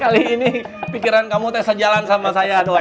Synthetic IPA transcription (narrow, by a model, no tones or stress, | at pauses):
kaliːni | pikiɾankamut̪asad͡ʒalansamasajadoa